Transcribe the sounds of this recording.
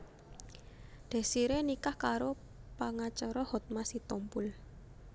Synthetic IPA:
d̪̥ɛ̤siɾenikahkaɾo | paŋat͡ʃɔɾɔhɔt̪̚masit̪ɔmpʊl

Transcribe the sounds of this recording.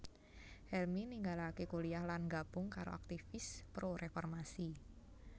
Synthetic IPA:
hɛlminiŋɡalakekuliahlanɡab̥ʊŋkaɾo̰ak̚t̪ifɪspɾoɾʔefɔrmasi

